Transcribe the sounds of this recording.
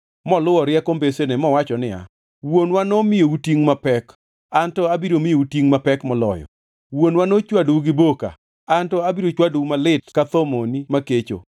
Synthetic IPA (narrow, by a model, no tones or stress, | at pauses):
mɔlʊwɔɾɪɛkombesenɛmɔwat͡ʃɔnɪa̰ | wonwanɔmɪjoutiŋmapɛk | antɔabiɾomɪjoutiŋmapɛkmɔlɔ̰jɔ̰ | wonwanot͡ʃwaduɡɪboka̰ | antɔabiɾot͡ʃwadumalɪtkat̪omonimaket͡ʃo̰